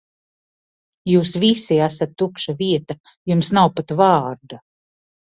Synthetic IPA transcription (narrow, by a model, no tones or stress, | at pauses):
juːsvisiæsat̪ːukʃaviɛt̪a | jumsnawpat̪vɑːɾd̪a